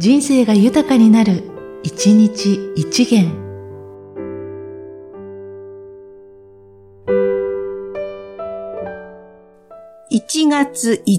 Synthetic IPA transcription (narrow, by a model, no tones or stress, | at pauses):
d͡ʑĩɰ̃se̞ːɡajɯ̟t̪akaɲ̟inaɾɯ̟it͡ɕiɲ̟it͡ɕiit͡ɕiɡẽ̞ŋ | it͡ɕiɡat͡sɨi